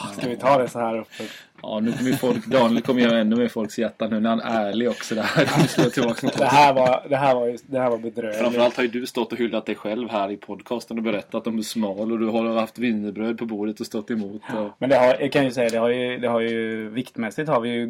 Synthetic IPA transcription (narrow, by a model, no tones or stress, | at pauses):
skavɪt̪ʰɑːd̪ɛsɔhæːɾɵpːə | ɑ̰ːnʉ̟ːkʰɔməjəfɔlkd̪ɑːnjɪlkʰɔməjɛːnaɛnːɵmeːfɔlksjæʈ̪ːanʉ̟ːnæɾhanæːɭɪɡɔksɔd̪ɛhæɾkʰɔmskəat̪ʰɪlbɑːksmɪd̪ɛhæːɾvaɾd̪ɛɦæːɾvaɾjd̪ɛhæːɾvaɾbɛd̪ɾøːɾamfəɾalt̪haɾjɵd̪ɵst̪ɔt̪ːɔɦʏlːat̪̚d̪ɛjɧɛlvhæːɾɪpʰɔd̪ːkʰɑːst̪ənɔbɛɾɛt̪ːat̪̚d̪ɔmɛʂmɑːlɔd̪ɵɦaɾhaft̪vɪnːəbɾøːd̪̚pʰɔbuːd̪ət̪ɔst̪ɔt̪ːɛmuːt̪ʰɔmɛnd̪ɛhaɾjɑkʰanjɵsɛjːad̪ɛhaɾjɵd̪ɛhaɾjɵvɪkt̪mɛsːɪt̪haɾvɪjɵ